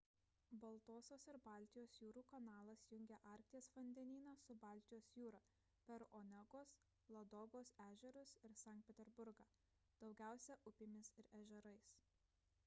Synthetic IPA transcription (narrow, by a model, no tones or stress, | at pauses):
bɐlˠt̪oːsʲoːsɪɾbɑːˑlʲt̪ʲɪjoːsjuːɾuːkɐnɑːlˠɐsjʊŋʲɡʲɛʔɑːˑɾʲk̚t̪ʲɪjɛsfɔnʲd̪ʲɛnʲiːnɑsʊbɑːˑlʲt̪ʲɪjoːsjuːɾɐ | pʲɛɾonʲɛɡoːs | lˠɐd̪ɔːɡoːsæːʒʲɛɾʊsɪɾsɐˑŋkt̪ʲpʲɛt̪ʲɛɾbʊɾɡɑː | d̪̥ɒʊɡʲæˑʊsʲɛʔʊpʲɪmʲɪsɪɾɛʒʲɛɾɐɪs